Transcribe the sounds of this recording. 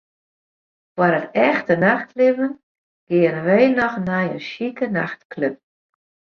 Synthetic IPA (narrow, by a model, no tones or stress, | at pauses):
fwaɾətɛxtənaxtlɪvən | ɡ̥ɪərʋejnɔxnɛjənʃikənaxtkløp̚